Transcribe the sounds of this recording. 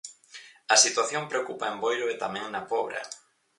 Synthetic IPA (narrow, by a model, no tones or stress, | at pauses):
ɐsit̪waθjompɾeokupaembojɾoet̪amɛ̃ŋnɐpɔβɾɐ̰